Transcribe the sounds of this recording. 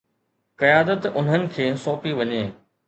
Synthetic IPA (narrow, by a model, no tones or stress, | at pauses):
kɐjaːd̪ət̪ʊn̤ənɪ̆kʰeːsoːpiʋɐɲeː